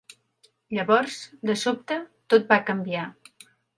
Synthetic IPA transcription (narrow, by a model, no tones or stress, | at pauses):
ʎəβɔɾzd̪əsop̚t̪ət̪ot̪̚bakəmbia